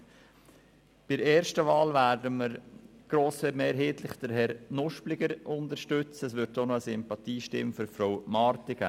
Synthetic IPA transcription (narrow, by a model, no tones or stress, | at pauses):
b̥ɪɾeːɾʃtəʋɑːlvæːrdəməɾɡ̥ɾoːsfɛmeːɾɦeːt̪lɪχd̥əɾɦɛɾnʊʃplɪɡəɾʊnd̪əɾʃtʏt͡səəsʋʏɾtːonɔəsɪmpɑt̪iːʃtɪ̰mføɾfɾowmɑːɾt̪ɪɡ̥æ̰ː